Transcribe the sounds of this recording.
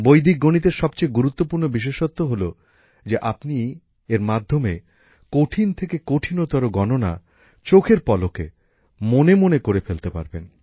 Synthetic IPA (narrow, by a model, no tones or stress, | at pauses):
bojd̪ʱik̚ɡonit̪̬eɾʃɔb̚t͡ɕejɡuɾut̪ːopuɾnobiʃ̬eʃot̪ːoɦolo | d͡ʑeʔapni | eɾmad̪ʱːome | koʈʰint̪ʰekekoʈʰinot̪aɾoɡɔnona̰ | t͡ɕokʰeɾpɔloke | monemonekoɾefelt̪epa̰ɾben